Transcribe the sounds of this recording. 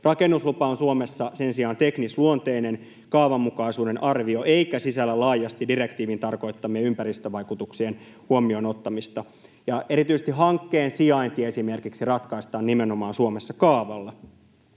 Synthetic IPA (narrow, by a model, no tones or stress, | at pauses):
rɑkenːuslupɑonsuomesːɑsensiɑːnt̪eknisluont̪e̞inen | kɑːʋɑmːukɑisuːde̞nʔɑrʋio̞ʔe̞ikæsisælːælɑːjɑst̪idire̞kt̪iːʋint̪ɑrko̞it̪ːɑmieympæɾist̪øʋɑjkut̪uksien | huomio̞no̞t̪ːɑmist̪ɑ | jɑe̞ɾit̪yset̪iɦɑŋkːeːnsiɑint̪ieesime̞rkiksirɑt̪kɑist̪ɑːnnimenomɑːnsuomesːɑkɑːʋɑlːɑ